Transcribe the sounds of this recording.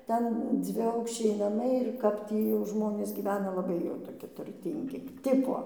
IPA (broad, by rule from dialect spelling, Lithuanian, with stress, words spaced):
ˈtʲɛn d͡zʲʋʲɪˈɐʊkʃʲt͡ʃʲɛɪ nɐˈmɐɪ ɪr ˈkɐp tʲiː jɛʊ ˈʒmoːnʲeːs ɡʲiːˈʋʲæːnɐ lˠɐˈbɐɪ jɛʊ toːˈkʲɪ tʊrʲˈtʲiːŋʲɡʲɪ ˈtʲɪpoː